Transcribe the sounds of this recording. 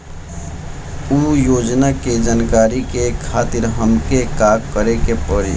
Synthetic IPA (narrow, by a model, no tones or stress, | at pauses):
uːjoːd͡ʒnaked͡ʒaːnkaːɾikekʰaːt̪ɪɾɦəmkekaːkkːəɾekepəɽḭ